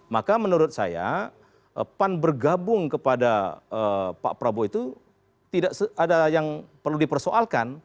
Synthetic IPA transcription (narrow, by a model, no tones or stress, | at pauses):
makamənuɾʊt̪̚sa̰ja̰ | ʔəpanbərɡabʊŋkəpadaəpa̰ʔpɾaboit̪u | t̪idaʔsəadajaŋpərludipərsoʔalkan